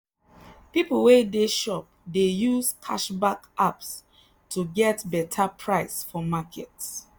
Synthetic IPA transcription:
pipl̩wedeʃɔp̚dejuskʰaʃbakaps | tʰuɡɛtbɛtʰapʰɹaɪsfɔmakʰɛts

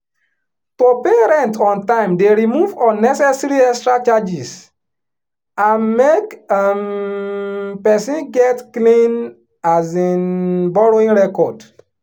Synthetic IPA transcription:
topeɾɛ̃ntɔ̃ntãɪ̃mdeɾimuvɔ̃nːɛsɛsɾiɛstɾatad͡ʒis | ãnmekam | pɛsĩnɡɛtklĩn | azinbɔɾoĩŋɾɛkɔd

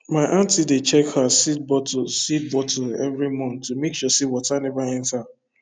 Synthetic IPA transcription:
maɪʔãntidet͡ʃɛkhasit̚bɔtosit̚bɔtʰoɛvɾimɔ̃numekʃɔsiwɔtanɛvaɛ̃nta

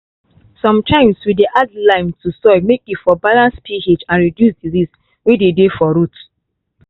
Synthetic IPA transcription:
sɔ̃mtʰãɪ̃mswideʔadlãɪ̃mtusɔɪmekitfɔbalãnspʰihed͡ʒãnɹidjusdizis | wededefɔɾut

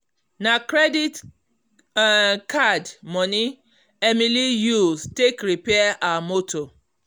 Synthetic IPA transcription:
nakɾedit | kadmɔ̃nĩ | ɛmĩlijustekɾipɛaʔaamoto

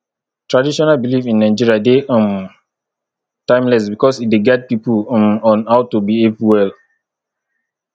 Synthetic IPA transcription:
tɹadiʃɔnalbilifĩnːaɪd͡ʒiɹiadeʔɔ̃m | tãɪ̃mlɛsbikɔsideɡɛd̚pipuɔ̃mɔ̃nhaʊtubievwɛl

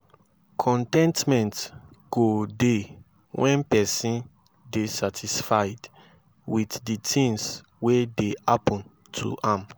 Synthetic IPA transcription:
kʰɔ̃ntɛ̃ntmɛ̃ntɡ̥ode | wɛ̃npɛsĩn | desatʰisfaɪd | witditʰĩŋs | wedehapɔ̃n | tʰṵʔãm

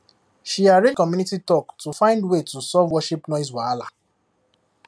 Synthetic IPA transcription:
ʃiaɹekɔmjunititɔktufãɪ̃ndwetusɔvwɔʃipnɔɪs̬wala

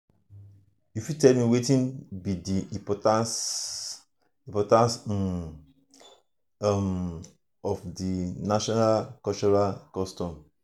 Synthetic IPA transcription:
jufitɛlmiwetĩnbidiĩpɔtãs | ĩpɔtãns | m | ɔfdinaʃɔnalkɔt͡ʃɔɹalkɔstɔ̃m

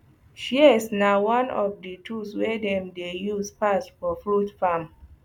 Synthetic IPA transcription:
ʃiɛsnawãnɔ̰fdətʰuswɛdɛ̃mdejuspastfɔfɹutfam

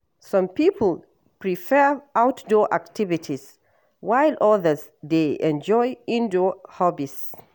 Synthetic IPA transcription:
sʌ̃mpipʰəl̩ | pɹifɛɹʔawtdɔʔa̰ktivitʰis | wajlɔðə˞z | deɛ̰̃nd͡ʒɔjĩndohɔbis

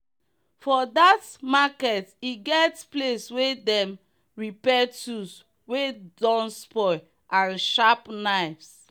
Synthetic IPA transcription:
fɔdatmakɛtiɡɛtspleswedɛ̃m | ɹipɛtus | wedɔ̃nspɔ | ãnʃapnaɪfs

